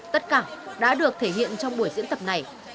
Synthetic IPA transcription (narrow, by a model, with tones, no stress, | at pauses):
t̪ə˦˥t̚kaː˧˩ɗa̰ː˧˥ɗɨ˨˩ək̚t̪ʰe˧˩ɦḭ˧˨ənt͡ɕɔ˧wŋ͡mɓu˧˩əjzɨ̰˧˥ənt̪ə˨˩p̚na˨˩j